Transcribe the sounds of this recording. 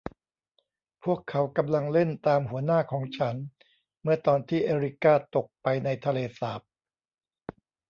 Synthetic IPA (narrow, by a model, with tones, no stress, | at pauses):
pʰu˥˩əkʰːa˩˦˥wka˧mla˧ŋle˥˩nt̪aː˧mhu˩˦ɐnaː˥˩kʰɔː˩˦ŋt͡ɕʰa˦˥n | mɯ˥˩ɐt̪ɔː˧nt̪ʰiː˥˩ʔeː˧ɾi˦˥kaː˥˩t̪o˨˩k̚pa˧jna˧jt̪ʰa˧leː˧saː˨˩p̚